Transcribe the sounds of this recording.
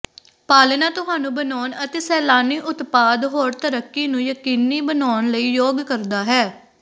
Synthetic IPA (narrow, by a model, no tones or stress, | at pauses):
paːlnãːt̪ʊɦaːnũːbənɔːnət̪eːsɛːlaːniːʔʊt̪paːd̪ɦoːɾt̪əɾəkːiːnũːjəkiːniːbənaːnləiːjoːɡkəɾd̪aːɦɛː